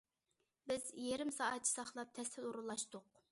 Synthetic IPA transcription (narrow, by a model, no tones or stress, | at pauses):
bɪzjeɾɪmsɑːɛt̪̚t͡ʃʰi̥sɑχlˠɑp̚t̪ʰɛst̪ʰɪluɾulˠːɑʃt̪ʊq